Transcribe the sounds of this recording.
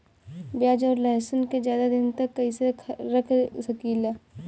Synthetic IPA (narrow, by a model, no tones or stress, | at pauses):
bjaːd͡ʒɔːɾlɛɦsənkezjaːd̪ad̪ɪnt̪ɐkːɐiseɾɐkʰsɐkiːla